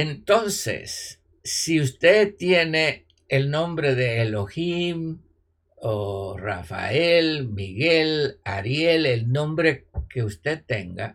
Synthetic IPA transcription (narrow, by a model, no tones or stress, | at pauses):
ent̪o̞nsḛsː | iust̪et̪je̞neː | lnõ̞mbɾe̞ðe̞ːloxim | ora̰fa̰elmiɣelaɾjelelnõ̞mbɾe̞ke̞ust̪et̪ːe̞̰ŋɡa̰